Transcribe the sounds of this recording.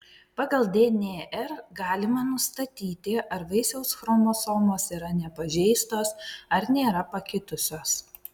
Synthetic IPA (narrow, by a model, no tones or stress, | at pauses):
pɑːɡɐlˠd̪ʲeːnʲeːʔɛɾɡɑːlʲɪmɐnʊst̪ɐt̪ʲiːt̪ʲɪʔɐɾʋɐɪsʲɛʊsxɾoːmoːsoːmoːsiːɾɐnʲɛpɐʒʲɛɪst̪oːsɐɾnʲeːɾɐpɐkʲɪt̪ʊsʲoːs